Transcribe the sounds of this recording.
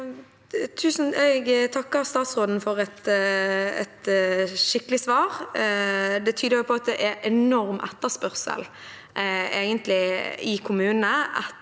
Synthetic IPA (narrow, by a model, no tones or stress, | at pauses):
t̪ʰʉːsn̩ɛɡt̪ʰɑkːəʁst̪ɑːt̪sʁoːd̪n̩fɔʁɛt̪ | ɛ̰t̪ʃɪkːəlɪsʋɑːɾ | d̪ɛt̪ʰyːd̪əɾjʊpʰɔɑt̪̚d̪ɛʔɛɛnɔɾmʔɛt̪ːəspœʁsə̰l | eːɡənt̪lɪɪkʰʊmʉːnəɑ̰t̪